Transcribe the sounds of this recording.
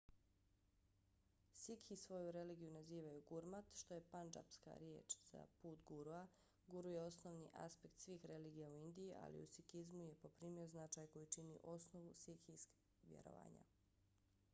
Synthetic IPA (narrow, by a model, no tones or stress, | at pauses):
sikʰisʋo̞juɾe̞liːɡijunaziːʋajuɡuɾmat̪ʃt̪o̞je̞pand͡ʒa̰pska̰ɾjeːt͡ʃz̥a̰puːt̪ɡuɾua | ɡuɾuje̞o̞sno̞ʋnḭʔa̰spekt̪sʋiːxɾe̞liːɡijauind̪ijiʔa̰lḭṵsikizmuje̞po̞pɾiːmioznat͡ʃaːjko̞jit͡ʃinḭʔo̞sno̞ʋusikisk | ʋjḛɾo̰ʋa̰ːɲa̰